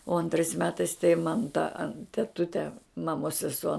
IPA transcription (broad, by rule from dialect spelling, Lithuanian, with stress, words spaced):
oː ɐnˈtrɐɪs ˈmʲæːtɐɪs tɐɪ mɐn tɐ tʲɛˈtʊtʲɛ mɐˈmoːs sʲɛˈsuɔ